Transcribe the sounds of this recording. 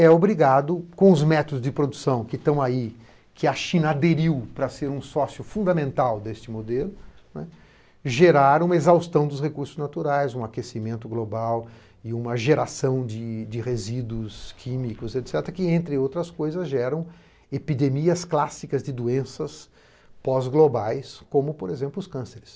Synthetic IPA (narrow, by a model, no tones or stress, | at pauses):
ɛobɾiɡad̪ʊkõʊzmɛt̪od̪ʊzd͡ʒɪpɾod̪usɐ̃w̃kɪt̪ɐ̃w̃ai | kʰɪɐʃĩnɐad̪eɾiwpɾɐseɾũsɔsjʊfũnd̪ɐmẽnt̪awd̪est͡ʃɪmod̪elʊnɛ̰ | ʒeɾaɾũmɐezawst̪ɐ̃w̃d̪ʊshekuɾsʊznat̪uɾajzũakesimẽnt̪ʊɡlobaw | ɪũmɐʒeɾasɐ̃w̃d͡ʒɪd͡ʒɪʁezid̪ʊskʰimikʊzet̪sɛt̪ɾɐkɪẽnt̪ɾɪowt̪ɾɐskojzɐzʒɛɾɐ̃w̃ | epid̪emiɐsklasikɐzd͡ʒɪd̪uẽsɐs | pɔzɡlobajskõmʊpoɾezẽmplʊskɐ̃seɾɪs